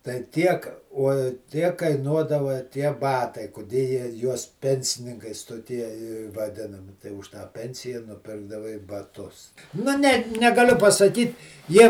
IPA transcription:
tɐɪ ˈtʲiɛk oː ˈtʲiɛk kɐɪˈnuɔdɐʋɐ tʲiɛ ˈbɑːtɐɪ kʊˈdʲeː jiɛ juɔs ˈpʲɛnʲsʲɪnʲɪŋkɐɪs toːˈtʲiɛ ɪ ʋɐˈdʲɪnɐmʲɪ tɐɪ ʊʃ tɑː ˈpʲɛnʲsʲɪjɛ nʊˈpʲɪrɡdɐʋɐɪ bɐˈtʊs nʊ ˈnʲɛ nʲɛɡɐˈlʲʊ pɐsɐˈkʲiːt ˈjiɛ

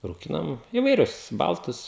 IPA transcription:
ruːˈkʲɪnɐm iːʋɐɪˈrʲʊs ˈbɐlˠtʊs

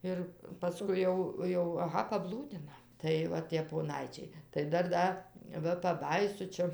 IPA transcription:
ˈɪr pɐˈskʊɪ jɛʊ ˈjɛʊ ɐˈɣɐ pɐˈblˠuːdʲɪnɐ tɐɪ ˈʋɐ tʲiɛ poːˈnɐɪt͡ʃʲɛɪ tɐɪ ˈdɐr ˈdɐ ˈʋɐ pɐˈbɑːjiːsʊ ˈt͡ʃʲɛ

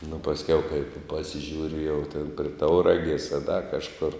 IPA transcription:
nʊ pɐsʲˈkʲɛʊ kɐɪp pɐsʲɪˈʒʲuːrʲɪ jɛʊ tʲeːn pʲrʲɪ ˈtɐʊrɐɡʲeːs ɐ dɐ kɐʃˈkʊr

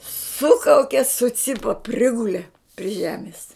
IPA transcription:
ˈsʊkɐʊkʲɛ sʊˈt͡sʲɪpɐ ˈpʲrʲɪɡʊlʲɛ pʲrʲɪ ˈʒʲæːmʲɪs

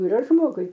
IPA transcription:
iːˈrɐ ˈʒmoːɡʊɪ

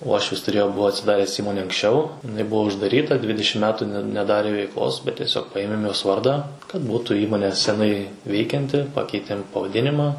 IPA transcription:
ˈuɔʃʲʋʲɪs tʊˈrʲeːjoː ˈbʊʋoː ɐtʲsʲɪˈdɑːrʲɛs ˈiːmoːnʲɛ ɐŋksʲˈt͡ʃʲɛʊ ɪˈnɐɪˈbʊʋoː ʊʒdɐˈrʲiːtɐ ˈdʲʋʲɪdʲɪʃʲɪm ˈmʲæːtʊ nʲɛ nʲɛˈdɑːrʲeː ʋʲɛɪkˈlˠoːs bʲɛt tʲiɛˈsʲoːk ˈpɐeːmʲeːm joːs ˈʋɐrdɑː kɐt ˈbuːtʊ ˈiːmoːnʲeː sʲɛˈnɐɪ ˈʋʲɛɪkʲɛnʲtʲɪ ˈpɑːkʲɛɪtʲeːm pɐʋɐˈdʲɪnʲɪmɐ

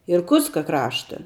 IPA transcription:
ɪrˈkʊtskɐ ˈkrɑːʃtɐ

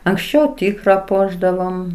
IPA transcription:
ɐŋksʲˈt͡ʃʲɛʊ ˈtʲiːkrɐ ˈpuɔʒdɐʋoːm

